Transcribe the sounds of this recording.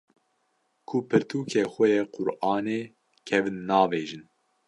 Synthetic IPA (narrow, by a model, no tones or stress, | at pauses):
kʰʊpʰɨɾt̪ʰuːkʰeːxʷɛjeːqʰʊɾʔɑːneː | kʰɛvɨnːɑːveːʒɨn